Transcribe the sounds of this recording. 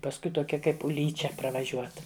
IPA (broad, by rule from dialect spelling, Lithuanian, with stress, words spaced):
pɐsˈkʊɪ toːˈkʲɛ ˈkɐɪp ʊˈlʲiːt͡ʃʲɛ prɐʋɐˈʒʲuɔt